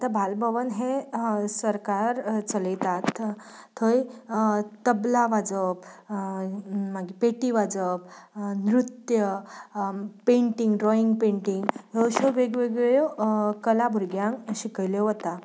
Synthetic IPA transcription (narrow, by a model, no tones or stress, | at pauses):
at̪abʱalbʱəʋənɦẽsəɾkaɾt͡sələjt̪at̪ʰː | əj | t̪əblaʋad͡zəb | maɡipeʈiʋad͡zəbnɾut̪jə | pẽɳʈiŋɡɾɔiŋɡpẽɳʈiŋɡjoɕoʋeɡʋeɡɭokəlabʱuɾɡjãŋkɕikəjleɦot̪a